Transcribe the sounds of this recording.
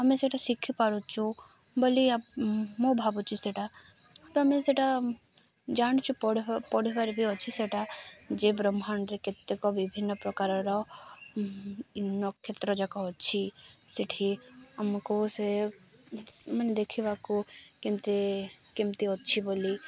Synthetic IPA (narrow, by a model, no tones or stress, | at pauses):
əmẽseʈʰasikʰːipaɾut͡ʃʰu | boliamobʱabut͡ʃʰiseʈa | t̪ɔɐmeseʈa | d͡ʒaɽ̃t͡ʃʰupɔɽpɔɽibaɾbʱiɦɔt͡ʃʰiseʈad͡ʒebɾɔmanɾeket̪ːekɔbibʱinːɔpɾɔkaɾɔɾɔ | inːɔkʰet̪ɾɔd͡ʒakɔɦɔtːt͡ʃʰisiʈʰiəmkose | mɐned̪ekʰibakukemt̪ekimt̪iɦɔt̪ːt͡ʃʰiboli